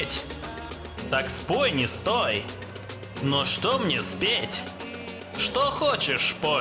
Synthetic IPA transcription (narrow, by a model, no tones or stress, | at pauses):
tʲ | t̪akspojnʲɪst̪oj | noʂt̪omnʲespʲetʲ | ʂt̪oxot͡ɕɪʂspo